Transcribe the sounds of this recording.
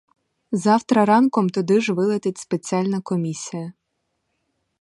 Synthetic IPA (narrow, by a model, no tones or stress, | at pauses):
zɑwt̪ɾɐɾɑnkɔmt̪ɔd̪ɪʒʋɪlˠɐt̪ɪtʲspet͡sʲiɑlʲnɐkɔmʲisʲijɐ